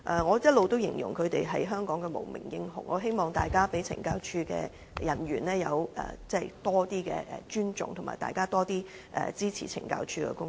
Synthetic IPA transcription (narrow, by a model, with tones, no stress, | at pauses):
ʔɛ˨ŋɔː˨˧jɐ˥t̚lo˨wt̪o˥wjɪ˨˩ŋjʊ̰˨˩ŋkʰɵ˨˧ɥt̪e˨jɦɐ˨jɦœː˥ŋkɔː˨˥ŋɡɛ˧mo̰˨˩wmɪ̰˨˩ŋjɪ˥ŋhʊ̰˧˩ŋʔɔ̰ː˨˧ɦe˥jmɔː˨ŋt̪aː˨jkaː˥pe˨˥jt͡sʰɪ̰˨˩ŋkaː˧wt͡ʃʰyː˧kɛ̰ː˧ | jɐ˨˩nɥyː˨˩nlɛː˥jɐ˨˧wʔɛ̰ː˨t͡sɛ˥˨˩t̪ɔː˥t̪iː˥kɛ̰ː˧ʔɛ̰˨t͡ʃyː˥nt͡sʊ̰˨ŋt̪ʰʊ˨˩maː˨˩t̪a̰ː˨jkaː˥t̪ɔː˥t̪iː˥ | ʔɛ̰ː˨t͡siː˥t͡sʰḭː˨˩t͡sʰɪ̰˨˩ŋka̰ː˧wt͡ʃʰyː˧kɛ̰˧kʊ˥ŋ